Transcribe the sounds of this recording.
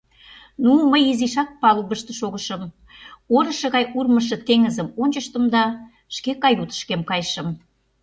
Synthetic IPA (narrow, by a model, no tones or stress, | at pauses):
numəjiziʃɑk̚pɑluβəʃt̪ə̆ʃoɣəʃə̆m | oɾə̆ʃɤ̆ɣɑjurməʃ̬ə̆t̪eŋəzəmonʲt͡ɕəʃt̪əmd̪ɑ | ʃkekɑjut̪ə̥ʃkemkɑjʃə̆m